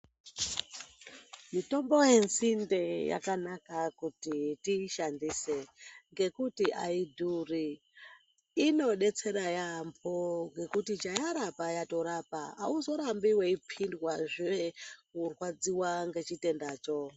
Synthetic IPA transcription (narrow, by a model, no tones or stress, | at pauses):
mito̞mbo̞jensinde̞ja̰kanakakutitiʃandiːse̞ŋɡe̞kutiʔaidʱuri | no̞ɗe̞t͡se̞ɾajamboŋɡe̞kutit͡ʃajaɾapajato̞ɾapa̰ːuzo̞ɾambiweipʰindwaʐeekurwad͡ziwaŋɡe̞t͡ʃite̞ndaːt͡ʃo̞